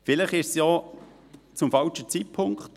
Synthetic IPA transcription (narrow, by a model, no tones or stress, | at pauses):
fɪləχɪʃsjɔ | t͡sʊmfɑlʃət͡sit̚pʰʊŋkχt